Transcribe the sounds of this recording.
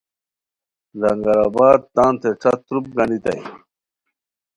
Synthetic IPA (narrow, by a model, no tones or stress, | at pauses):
zɐŋɡɐɾaːbaːd̪̚t̪aːnt̪eʈ͡ʂɐt̪ɾup̚ɡɐnit̪ɐ̰j